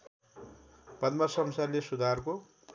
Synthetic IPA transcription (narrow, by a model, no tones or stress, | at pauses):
pʌd̪mʌsʌmsarlesud̪ʱarko